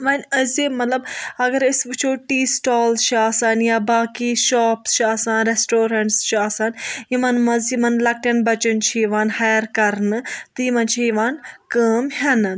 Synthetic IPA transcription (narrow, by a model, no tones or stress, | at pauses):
ʋɐːnʲəzimɐt̪lɐbɐɡɐɾisbɨt͡ʃʰoːʈiːsʈaːlʃʰaːsaːnjaːbaːkiːʃaːpsʃaːsãːnɾesʈoːɾɐɳʈsʃaːsaːnjimɐnmɐzjimɐnlɐk̚ʈɐnbɐt͡ʃənt͡ʃʰijiʋaːnhajɐɾkɐɾnɨt̪ɨjimɐnt͡ʃʰijiʋaːnkəːmɦɐnɨ